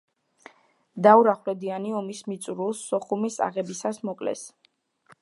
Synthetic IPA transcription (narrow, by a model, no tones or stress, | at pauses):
d̪auɾaχlɛd̪ianiɔmismit̪sʼuɾulˠsːɔχumisa̰ʁɛbisasmɔkʼlɛ̰s